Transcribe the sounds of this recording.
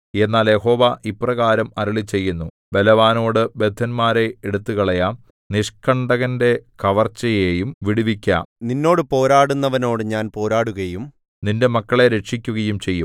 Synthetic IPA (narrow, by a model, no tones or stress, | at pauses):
e̞nːaːlje̞ho̞ːʋɐʔipːrɐɣaːɾɐmɐɾɐɭit͡ɕːe̞jːunːu | be̞lɐʋaːno̞ːɽɨbe̞d̪ʱːɐnmaːɾe̞eɽut̪ːuɣɐɭɐja | niʂkɐɳɖɐɣɐnde̞kɐʋɐrt͡ɕːɐjejumʋiɽuʋikʲːa̰ːmninːo̞ːɽɨpo̞ːɾaːɽunːɐʋɐno̞ːɽɨɲaːnpo̞ːɾaːɽuɣɐjum | ninde̞mɐkːɐɭe̞ɾe̞ʈʂik̬ʲːuɣɐjumt͡ɕe̞jːum